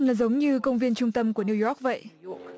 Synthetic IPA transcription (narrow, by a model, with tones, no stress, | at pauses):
laː˨˩zə˨˦wŋ͡mɲɨ˧kə˧wŋ͡mvi˧ənt͡ɕʊ˧ŋ͡mt̪ə˧mku˧˩əni˧wjɔ˦˥k̚və̰˧˨jʔ